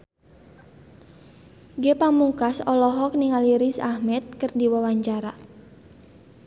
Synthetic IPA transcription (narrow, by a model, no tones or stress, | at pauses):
ɡepamukasɔlɔɦɔk̚niŋaliɾisahmɛt̪̚kɨrdiwawaɲt͡ʃaɾa